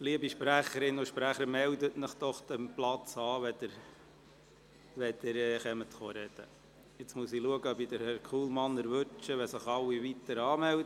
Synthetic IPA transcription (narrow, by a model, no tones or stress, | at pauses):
liəbiʃpɾæχəɾɪnːʊʃpɾæχəɾmɛld̪ətnəχd̥̪ɔχd̥̪əmplɑt͡sɑːʋɛd̥̪əɾ | ʋɛd̪̥ɪɾɛːχɛmət̪χoːɾɛd̪̥ə̰ | ɪt͡smuəsiluəɡəbid̪əɾhɛɾkʰχuːlmɑnəɾʋɵt͡ʃəʋɛsɪχɑwiʋit̪əɾɑːmɛldə